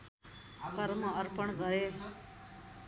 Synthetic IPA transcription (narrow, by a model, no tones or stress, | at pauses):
kəɾməəɾpəɳɡəɾeː